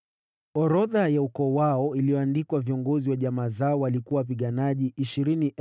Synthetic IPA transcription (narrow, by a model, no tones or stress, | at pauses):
ɔɾɔðajaukɔwaɔilijɔandikwaviɔŋɡɔziwaʄamaːzaɔwalikuwawap̬iɠanaʄiʔiʃiɾini